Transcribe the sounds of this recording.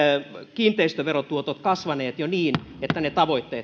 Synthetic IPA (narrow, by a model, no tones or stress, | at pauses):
kiːnt̪ˑeist̪øʋerot̪uot̪ot̪kɑsʋɑneːt̪joniːn | et̪ːænet̪ɑʋoit̪ːeːt̪